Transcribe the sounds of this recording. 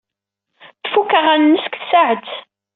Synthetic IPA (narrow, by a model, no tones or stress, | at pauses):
θfukːəʁænːəsə̥kθsaʕət͡s̪